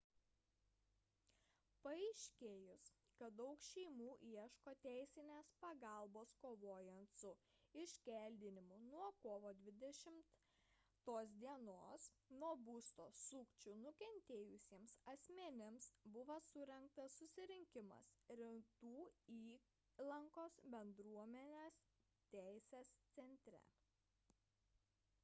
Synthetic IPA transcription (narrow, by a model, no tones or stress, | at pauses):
pɐɛɪʃʲkʲeːjʊs | kɐt̪̚d̪ɐʊkʃʲɛɪmuːʔiɛʃkoːt̪ʲæˑɪsʲɪnʲeːspɐɡɑˑlˠboːskoːʋoːjɛnt̪sʊ | ɪʃʲkʲɛˑlʲd̪ʲɪnʲɪmʊnuɔkoːʋoːd̪ʲʋʲɪd̪ʲɛʃʲɪmt̪ | t̪oːs̬d̪ʲiɛnoːs | nuɔbuːst̪oːsʊkt͡ʃʲʊnʊkʲɛnʲt̪ʲeːjʊsʲiɛmsɐsʲmʲɛnʲɪmsbʊʋɐsʊɾʲɛŋk̚t̪ɐsːʊsʲɪɾʲɪŋʲkʲɪmɐ̰sɾʲɪt̪uːiː | lˠɐŋkoːsbʲɛnd̪ɾuɔmʲɛnʲeːs | t̪ʲæˑɪsʲeːst̪sʲɛnʲt̪ʲɾʲɛ̰